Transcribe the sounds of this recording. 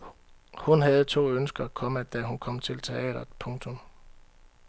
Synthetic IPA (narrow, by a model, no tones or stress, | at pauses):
hunɦɛð̞̩ˠt͡sʰo̝̰ːønsɡ̥ɐːkʰɒ̽məd̥æɦunkʰɒ̽m̰t͡sʰe̝lt͡sʰe̝ɛ̰ːd̥ɐpʰɔ̽ŋt͡sʰo̽m